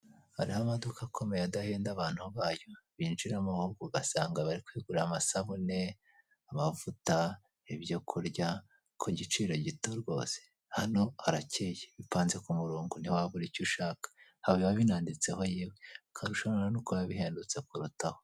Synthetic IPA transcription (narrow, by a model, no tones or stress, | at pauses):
haɾihamadukakʰo̞mejadaheːndaβaːn̥huβaːjo̞βinʃiɾamahuɡuɡasaːŋɡaβaɾikwiːɡuɾeamasaβune̞ | amavuta | iβjo̞kʰuɾɟa | kʰoɟit͡ʃiːɾo̞ɟitoɾɡo̞̰ːse̥ | hano̞aɾacejeβipaːnze̞kumuɾuːŋɡunihwaβuɾicuʃaːkḁhaβeβaβinaːndit͡se̞ho̞jiːwekʰaɾuʃaɾanukoβaβiɦe̞ːndut͡se̞kuɾutaho